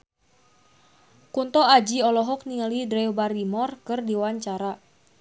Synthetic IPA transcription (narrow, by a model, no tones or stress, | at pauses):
kunt̪ɔad͡ʒiɔlɔɦɔk̚niŋalidɾɛwbaɾimɔrkɨrdiwaɲt͡ʃaɾa